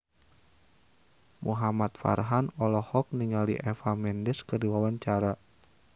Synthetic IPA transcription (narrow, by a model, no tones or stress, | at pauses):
muɦamat̪̚fa̰rɦanɔlɔhɔk̚niŋaliʔɛfamɛndɛskərdiwawaɲt͡ʃaɾa